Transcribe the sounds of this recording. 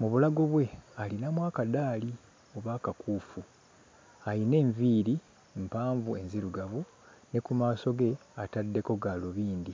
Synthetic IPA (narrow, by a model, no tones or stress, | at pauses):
muβulaɡo̞βwe̞alinamwaːkadaːli | oβaːkakʰuːfu | ajine̞ːɱviːɾi | mpaːɱvue̞nziɾuɡaβu | ne̞kumaːso̞ɡe̞atadːe̞ko̞ɡalo̞βiːnd̪i